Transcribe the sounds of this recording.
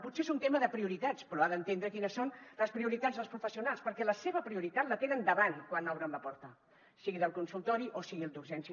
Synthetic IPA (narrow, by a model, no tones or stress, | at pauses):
putseezunt̪eməðəpɾiuɾit̪at͡spɾɔaðənt̪end̪ɾəkinəsonləspɾiuɾit̪ad͡zðəlˠspɾufəsiunalˠspəɾkɛləseβəpɾiuɾit̪at̪lət̪enənd̪əβankwanɔwɾəmbapuɾt̪a | siɣiðəlˠkunsulˠt̪ɔɾiʔosiɣielˠd̪uɾʒɛnsi